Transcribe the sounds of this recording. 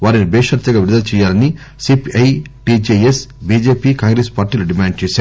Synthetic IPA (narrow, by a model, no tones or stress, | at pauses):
ʋaːɾinibɛːʂɐɾt̪ːɐɡaːʋiɾd̪ɐt͡ʃɛːjaːlɐni | sipɐjʈid͡ʒeesbiːd͡ʒeːpikaːŋɡɾespaːɾʈiːluɖimaːɳɖ̚t͡ʃɛːsaːɾ